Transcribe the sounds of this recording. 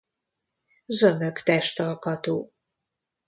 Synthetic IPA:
zømøkt̪ɛʃt̪ɒlkɒt̪oː

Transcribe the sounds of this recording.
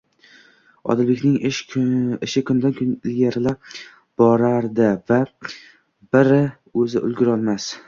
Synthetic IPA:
ɒ̰d̪ɪlbekʲnɪŋɪʃɪʃɪkʰʊnd̪ankʰnɪlɡʲaɾɪla | b̥ɒɾaɾd̪ɪva | bɪɾɪ | ɵzɪʔʊ̰lɡʲʊɾɒlˠmas

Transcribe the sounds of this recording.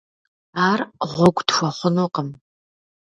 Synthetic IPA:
aːrʁʷʊɡʷʼdxʷɐχʷʊnuqəm

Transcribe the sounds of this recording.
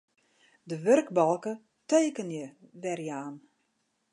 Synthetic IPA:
dəʋørkbɔlˠkə | teːkənjəʋɛrjaːn

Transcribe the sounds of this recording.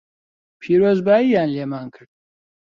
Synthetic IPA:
pʰiːɾoːzbaːjijaːnleːmaːnkʰɨɾd̪̥̚

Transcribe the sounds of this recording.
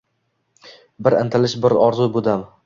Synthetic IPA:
bɪɾɪ̰nt̪ʰɪlɪʃbɪɾɒɾzʊbod̪am

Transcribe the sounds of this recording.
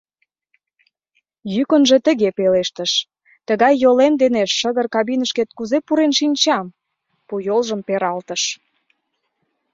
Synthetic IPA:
jykənʒĕt̪ə̆ɣepeleʃt̪əʃ | t̪əɣɑjːolemd̪eneʃːə̆ɣərkɑβinəʃket̪̚kuzepuɾenʃinʲt͡ɕɑm | pujolʒəmpeɾɑlt̪əʃ

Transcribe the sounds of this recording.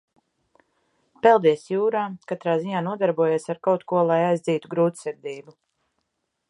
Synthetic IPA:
pɛlˠd̪iɛsjuːɾaːkat̪ɾaːziɲaːnuɔd̪aɾbuɔjeːsaɾkawt̪kuɔlˠajajzd̪ziːt̪uɡɾuːt̪sɛɾd̪iːbu

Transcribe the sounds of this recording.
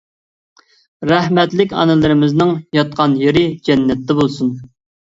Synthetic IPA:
ɾæhmɛt̪lɪkʲɑ̰nɨlˠɨɾɪmɪznɨŋjɑt̪̚qʰɑnjeɾɪd͡ʒɛnːɛt̪ːɛbolˠsun

